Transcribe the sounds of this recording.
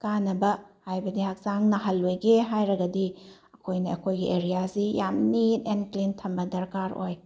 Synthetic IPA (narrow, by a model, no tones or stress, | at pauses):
kanːɐbɐhajbɐdihak̚zaŋnɐɦɐlːojɡeɦajɾɐɡɐdi | ɐkʰojnɐɐkʰojɡiʔeɾijasijamninenklintʰɐmbɐdɐɾkaɾo̰j